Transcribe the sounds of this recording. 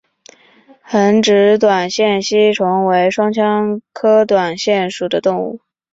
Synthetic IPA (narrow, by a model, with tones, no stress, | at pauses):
xə˧˥nʈ͡ʂɻ̩˧˥t̪̬wa˨˩nɕjɛ˥˩nɕi˥ʈ͡ʂʰʊ˧˥ŋwe˧˥ɪʂwɑ˥ŋt͡ɕʰjɑ˥ŋkʰɤ˥t̪wa˨˩nɕjɛ˥˩nʂu˨˩d̪ə˦t̪ʊ˥˧ŋṵ˥˩